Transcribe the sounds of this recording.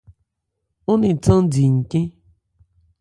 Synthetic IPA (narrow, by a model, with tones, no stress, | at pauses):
ʊ˦ni˨tɔ̃˦n˦di˨ŋ̩˨kẽ˦